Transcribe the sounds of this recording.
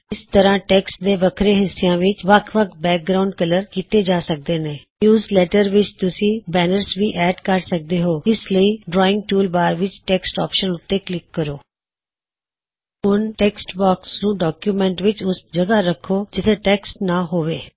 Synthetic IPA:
ɪst̪əɾãːʈɛːksʈ̚d̪eːbəkʰɾẽːɦɪsːɪjãːʋɪt͡ʃʋəkʰʋəkʰbɛːk̚ɡɾaːʊɳɖkələɾkiːt̪eːd͡ʒaːsək̚d̪eːneːnjuːzlɛːʈəɾʋɪt͡ʃt̪ʊsĩːbɛːnəɾsʋiːʔɛːɖkəɾsək̚d̪eːɦoːɪsləiːɖɾɔːɪ̃ŋɡ̚ʈuːlbaːɾʋɪt͡ʃʈɛːksʈɔːpʃənʊt̪ːeːklɪkːəɾoː | ɦʊnʈɛːksʈbɔːksnũːɖɔːkjuːmɛ̃ːɳʈʋɪt͡ʃʊsd͡ʒəɡaːɾəkʰːoːd͡ʒɪt̪ʰẽːʈɛːksʈnaːɦoːʋeː

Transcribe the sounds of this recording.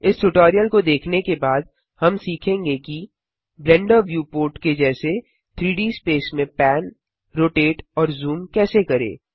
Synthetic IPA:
ɪsʈʊʈɔːɾijəlkod̪eːkʰnekebaːd̪̚ | hɐmsiːkʰẽːŋɡeki | blɛ̃ɳɖəɾʋjuːpoːɾʈked͡ʒɛːse | t̪ʰɾiːɖiːspeːsmẽpɛːn | ɾoːʈeːʈɔːɾzuːmkɛːsekɐɾḛː

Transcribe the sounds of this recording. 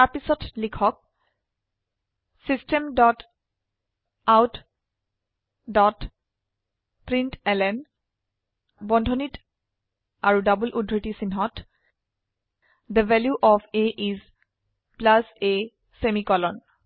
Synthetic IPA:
apisɔtlikʰɔk̚ | sistɛmdɔt | awt | dɔt | pɹintɛlɛn | bɔndʱɔnit | aɹudabulʔudʱːitisinɦɔt | d̪əvɛljuʔɔfeʔiz | plase | semikɔlɔn

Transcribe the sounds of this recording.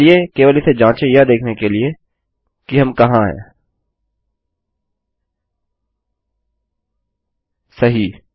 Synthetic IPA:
iekeːʋalised͡ʒãːt͡ʃẽjad̪eːkʰnekelie | kiɦɐmkɐɦãɦɛ̰̃ː | sɐɦi

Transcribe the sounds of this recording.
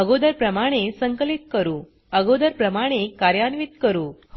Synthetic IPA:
əɡod̪əɾpɾəmaɽ̃esəŋkəlit̪̚kəɾuː | əɡod̪əɾpɾəmaɽ̃ekaɾjanʋit̪kəɾuː

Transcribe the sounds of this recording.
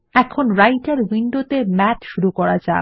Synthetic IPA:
ɛkʰonɾajʈaɾwiɳɖot̪emɛtʃuɾukɔɾad͡ʑa̰

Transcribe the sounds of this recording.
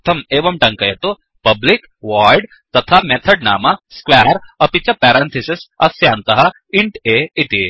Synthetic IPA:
t̪ʰɐmeːʋɐmʈɐ̃ŋkɐjɐt̪o | pɐblik | ʋaːjɖ | t̪ɐt̪ʰamet̪ʰɐɖna̰ːmɐskwaːɾɐpit͡ʃɐpɛːɾãːnt̪ʰisɪsɐ̰sjaːnt̪ɐɦɐ | ɪɳʈeːit̪i

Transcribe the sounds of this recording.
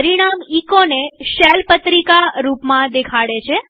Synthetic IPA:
ɾiɽ̃amikoneʃɛlpət̪ɾikaɾupmãd̪ekʰaɽet͡ʃʰe

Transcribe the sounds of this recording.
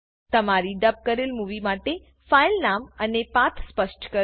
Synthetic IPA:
t̪əmaɾiɖəp̚kəɾelmuʋimaʈe | failnamənepat̪ʰspəʃʈkə

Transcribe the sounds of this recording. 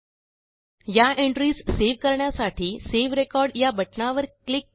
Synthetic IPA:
jaʔeɳʈɾiːsseʋkəɾɳjasaʈʰiːseʋɾekɔɾɖjabəʈnaʋəɾklik

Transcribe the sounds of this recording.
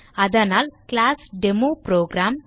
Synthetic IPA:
ad̪ʱanalklasɖemopɾoɡɾam

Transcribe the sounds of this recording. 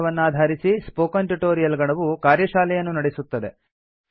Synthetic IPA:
ʋɐnːuaːd̪ʱaːɾisispoːkɐnʈuʈoːɾijɐlɡɐɳɐʋukaːɾjɐʃaːlɛjɐnːunɐɽesut̪ːɐd̪e

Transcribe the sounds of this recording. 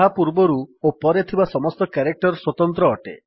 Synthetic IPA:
ɦapuɾbɔɾuopɔɾet̪ʰibasɔmɔst̪ɔkeɾek̚ʈɔɾswɔt̪ɔnt̪ɾɔːʈḛ

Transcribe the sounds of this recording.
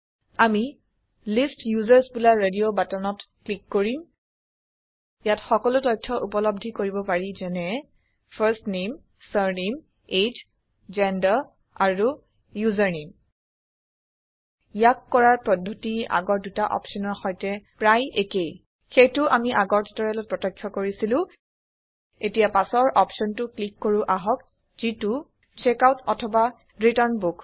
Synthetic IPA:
ami | listjuzaɹsbulaɹediobatɔnɔtklikːoɹim | jatxɔkɔlʊtɔjtʰːɔʔupɔlɔb̚dʱikoɹibɔpaɹizɛnɛ | pʰaɹstnem | səɹnem | ed͡ʒ | zɛndaɹ | aɹu | juzaɹnem | jakːɔɹaɹpɹɔdʱːotia̰ɡɔɹdutaʔɔ̰psɔnɔɹxɔjtɛpɹajekej | xejtʊʔamiʔaɡɔɹti̥tɔɹalɔt̚pɹɔtɔkʰːjɔkoɹisilʊ̃ | etijapasɔɹʔɔpsɔntʊklikːoɹuʔaɦɔk̚ | zitu | t͡ʃekawtɔtʰɔba | ɹitɔɹnbuk

